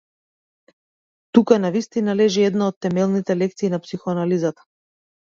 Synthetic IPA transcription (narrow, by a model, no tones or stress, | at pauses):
t̪ukanavist̪inalɛʒiɛd̪naɔt̪ːɛmɛlˠnit̪ɛlɛk̚t̪siːnapsixɔanalizat̪ḁ